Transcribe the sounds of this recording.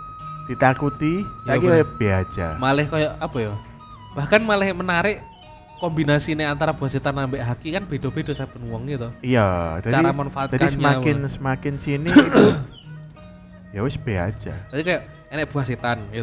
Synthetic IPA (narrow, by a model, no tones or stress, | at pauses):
d̥it̪akut̪ilakikajab̥eḁd͡ʒamalɪhkajaʔapajɔ | b̥ahkanmalɪhmənaɾɪʔ | kɔmbinasinɪɛʔant̪aɾab̥uɦaset̪anːambɪʔɦakikanb̥ed̥obedosab̥ənuwəŋɡit̪uijad͡ʒadaɾamanfaʔat̪d͡ʒakissɲmakɪnsəmakɪnt͡ʃinɪi | jawɪsb̥ea̰̥d͡ʒa̰d̪ad̪ikajaʔ | ɛnɛʔ̚b̥uaset̪anɡit̪